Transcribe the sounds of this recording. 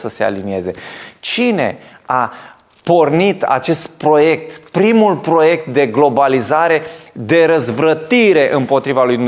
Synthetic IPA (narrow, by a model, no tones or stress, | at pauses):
səse̞a̰linie̞ze̞t͡ʃine̞̰a | po̞rnit̪a̰t͡ʃe̞st̪̚pɾo̞je̞k̚t̪pɾimulpɾo̞je̞k̚t̪̚d̪e̞ɡlo̞balizaɾe̞d̪e̞ɾəzvɾət̪iɾe̞ʔɨmpo̞t̪ɾivalujd̪um